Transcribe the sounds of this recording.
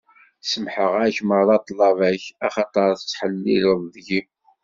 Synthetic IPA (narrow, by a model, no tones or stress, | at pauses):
səmħəʁæçməɾðˤɑt̪ˤlɑvæçæχɑt̪ˤəɾˤθt͡sːħəlːiləðˤðʝi